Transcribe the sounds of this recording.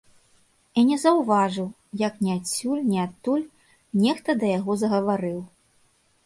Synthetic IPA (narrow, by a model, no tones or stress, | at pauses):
inʲɛzɐwvaʐɨw | jɐknʲiasʲːulʲnʲiat̪ːulʲ | nʲɛxt̪ɐd̪ɐjaɣɔzɐɣɐvaɾɨw